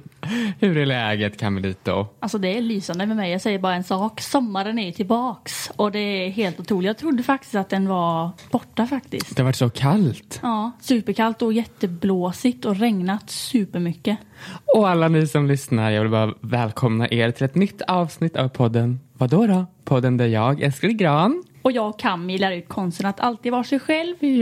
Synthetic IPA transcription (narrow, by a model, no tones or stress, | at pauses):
hɵɾɛlɛːɡət̪kʰanmɛliːt̪̚d̪ɔ̰alsɔd̪ɛːɭyːsand̪əmɛmɛjɑːɡsɛjːəɾbɑːɾaɛnsɑːksɔmːaɾənæɾjɵt̪ʰɪlbɑːksɔd̪ɛæɾɦeːlt̪ʊt̪ʰɾuːlɪjɑɡt̪ʰɾʊd̪ːəfak̚t̪ɪ̥st̪at̪̚d̪ɛnvab̥ɔʈːafakt̪ɪ̰sk̪d̪ɛhavaʈːsɔkʰalt̪ɑːsʉ̟ːpəɾkʰalt̪ɔjɛt̪ːəbloːsɪt̪ɔɾɛŋnat̪sʉ̟ːpəɾmʏkːəɔalːanɪsɔmlʏsnaɾjɑɡvɪlbɑːɾavɛːlkʰɔmna̰ʔeːɾt̪ʰɪlɛt̪nʏt̪ːɑːvsnɪt̪ːa̰vpʰɔd̪ːənvad̪ɔɾɔpʰɔd̪ːənd̪ɛjɑːɡɛ̰lskaɾɪɡɾɑːnɔjɑːɡkʰanmɛjlæːɾaʉ̟ːt̪̚kʰɔnst̪ənat̪ʰalt̪iːd̪vɑːʂɛjɧɛlv